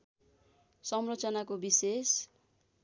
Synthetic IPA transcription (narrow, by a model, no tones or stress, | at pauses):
sʌmrot͡sʌnakobises